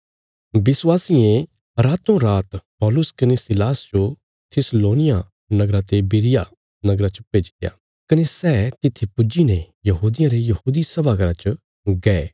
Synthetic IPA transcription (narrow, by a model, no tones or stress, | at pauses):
bɪswaːsiẽ | ɾaːt̪õɾaːt̪pɔːlʊskɐnesɪlaːsd͡ʒo | t̪ʰɪsloːnɪja | nɐɡɾat̪ebɪːɾɪja | nɐɡɾat͡ʃəpeːd͡ʒɪ̥t̪ja̰ː | kɐnesɛːt̪ɪt̪ʰːipʊd͡ʒine | jɐɦuːd̪ɪjãɾejɐɦuːd̪isɐbʱaːɡəɾat͡ʃə | ɡɛːe